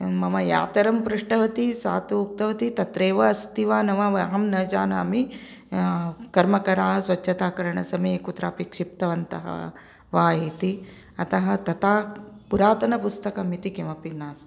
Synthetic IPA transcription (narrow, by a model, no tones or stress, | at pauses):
mɐmɐja̰ːt̪ɐɾɐmpɾuʂʈɐʋɐt̪isa̰ːt̪uuk̚t̪ɐʋɐt̪it̪ɐt̪ɾeːʋɐɐst̪iʋaːnɐʋaːʋɐɐɦɐmnɐd͡ʒaːnɐɐmi | kɐɾmɐkɐɾaːɦɐsʋɐt͡ʃʃʰɐt̪aːkɐɾɐɳɐsɐmɐjekut̪ɾa̰ːpikʂip̚t̪ɐʋɐnt̪ɐ̰ɦɐ̰ | ʋaːit̪i | ɐt̪ɐɦɐ̆t̪ɐt̪aːpuɾaːt̪ɐnɐpust̪ɐkɐmit̪ikemɐpinːaːs